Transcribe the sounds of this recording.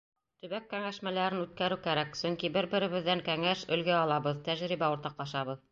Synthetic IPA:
t̪ɵ̆βækːæŋæʃmælæɾɘnʉt̪̚kæɾɘwkæɾæksɵŋkibɘɾbɘ̆ɾɘ̆βɘ̆ðːæŋkæŋæʃɵ̆lɡæɑlˠɑβɤðt̪æʒɾiβæuɾt̪ɑqlˠɑʃɑβɤð

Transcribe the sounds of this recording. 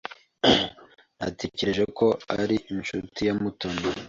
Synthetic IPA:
na̰te̞ce̞ɾe̞ʒeko̞aɾiʔinʃutijamutoni

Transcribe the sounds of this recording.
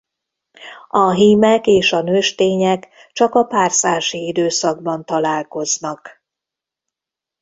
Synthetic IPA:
ɒɦiːmɛkeːʃɒnøːʃt̪eːɲɛk | t͡ʃɒkɒpaːrsaːʃiid̪øːsɒɡ̚bɒnt̪ɒlaːlko̞znɒk

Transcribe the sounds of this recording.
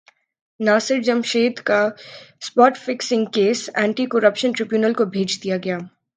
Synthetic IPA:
naːsɪɾd͡ʒɐmʃeːd̪kaspɔːʈfɪksɪ̃ŋɡkeːsɛ̃ːɳʈikoːɾəpʃənʈɾɪbjuːnəlkobʱeːd͡ʒd̪ijaɡɐjaː

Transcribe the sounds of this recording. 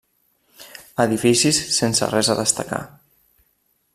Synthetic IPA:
əðifisisːensə̰rɛzəðəst̪əka̰

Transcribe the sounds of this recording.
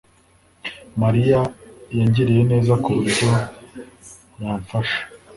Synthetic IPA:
maɾijajaɲɟiɾijene̞ːzakuβiɾɡo | jaːɱfaʃḁ

